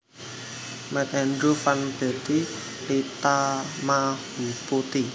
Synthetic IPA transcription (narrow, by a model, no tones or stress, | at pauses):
mɛt̪̚ɛnd̪ɾufanb̥e̤t̪i | lit̪amahupot̪i